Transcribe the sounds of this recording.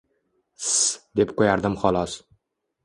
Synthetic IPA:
sd̪epqʰojaɾd̪ɪmχɒlˠɒs

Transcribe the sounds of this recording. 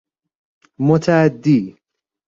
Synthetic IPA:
mʊt̪ʰaad̪ːiː

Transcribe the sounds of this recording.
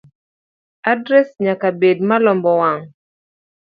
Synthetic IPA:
adɾɛsɲakabedmalɔmbɔwaŋ

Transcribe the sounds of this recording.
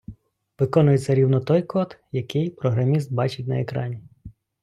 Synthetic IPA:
ʋɪkɔnʊjet͡sʲɐɾʲiwnɔt̪ɔjkɔt̪jɐkɪjpɾɔɦɾɐmʲist̪̚bɑt͡ʃɪtʲnɐekɾɑ̰nʲi

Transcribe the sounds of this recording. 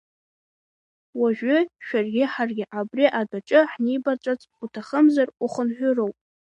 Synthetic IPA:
waʒʷᶣʏʃᶣarɡʲɪħarɡʲɪʔabriʔadaʈ͡ʂʼɨħnibat͡ʃʷʼat͡sʼutʰaχəmzaruχənħʷᶣʊrowpʼ

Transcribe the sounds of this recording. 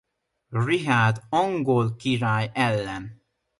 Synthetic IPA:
riɦaːd̪ɒŋɡolkiɾaːjɛlːɛn

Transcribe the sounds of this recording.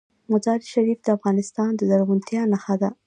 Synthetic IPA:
mʊzɑɾʃaɾifd̪əafɣɑnɪst̪ɑnd̪əzaɾɣunt̪jɑnaxad̪a

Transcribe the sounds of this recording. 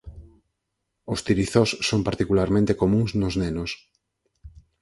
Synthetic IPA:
ost̪iɾiθosːompaɾt̪ikulaɾmẽnt̪ekomũŋznʊznenʊs

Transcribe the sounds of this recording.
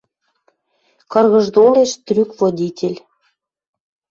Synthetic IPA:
kɤ̆rɣə̆ʒd̪oleʃt̪ɾykvod̪ʲitʲʰelʲ

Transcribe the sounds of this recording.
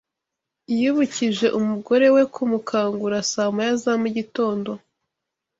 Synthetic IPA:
juβuciʒe̞ʔumuɡo̞ɾe̞we̞kʰumukʰaːŋɡuɾasaːmajazamuɟito̞ːndo̞

